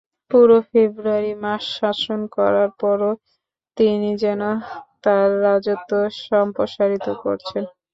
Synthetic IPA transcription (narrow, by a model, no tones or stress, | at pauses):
puɾofebɾuaɾimaʃːaʃonkɔɾaɾpɔɾo | t̪inid͡ʑɛnot̪aɾːad͡ʑot̪ːoʃɔmpɾoʃaɾit̪oko̰ɾt͡ɕʰen